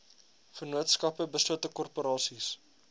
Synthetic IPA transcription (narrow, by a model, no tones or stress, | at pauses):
fərnuətskɐpəbəsluətəkɔrpoɾɑːsis